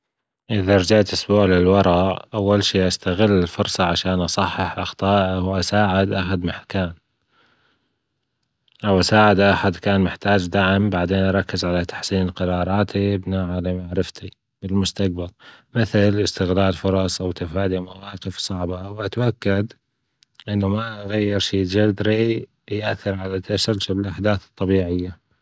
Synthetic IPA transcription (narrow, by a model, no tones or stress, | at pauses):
ʔɪðaɾˤd͡ʒaʕt̪ʔʊsbuːʕlɪlwɑɾˤɑʔʔawːalʃiːʔast̪aɣɪlːɪlfʊɾˤsˤɑʕaʃaːnʔɑsˤɑħːɑħʔɑxt̪ˤɑːʔawʔasaːʕɪd̪ʔaħad̪mɪħkaːn | ʔawʔasaːʕɪd̪ʔaħad̪kaːnmɪħt̪aːd͡ʒd̪aʕɪmbaʕd̪eːnʔɑɾˤɑkːɪzʕalat̪ḁħsiːnqɑɾˤɑːɾˤɑːt̪ʰibnaːʕalɪmaʕɾɪft̪ʰi | bɪlmʊst̪ak̚balmɪθɪlɪst̪ɪɣlaːlfʊɾˤɑsˤʔawt̪afaːd̪imawɑːqɪfsˤɑʕbawʔat̪aʔakːad̪ | ʔɪnːamaɣajːɪɾʃiːd͡ʒad̪ɾi | jʔaθːɪɾʕalat̪asɪltɪbɪlʔaħd̪aːθt̪ˤːɑbiːʕɪjːa